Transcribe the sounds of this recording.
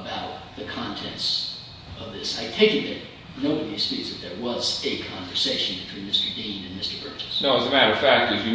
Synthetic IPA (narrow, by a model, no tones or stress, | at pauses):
əbaʊt̪̚ðɨkʰɑ̃ntʰɛ̃nts | ʌvðɪsaɪtʰẽɪkɨ̃ðɨt̚ | noʊʌvðispizɨt̪̚ðə˞wʌzɨkʰɑ̃ɱvə˞seɪʃɨ̃n̩bɨtʰw̥ĩnmɪstə˞dĩnɨ̃nmɪstə˞bɜ˞t͡ʃɨ̥snoʊəzəmæɾə˞ʌv̥fæk̚tɨfjɨ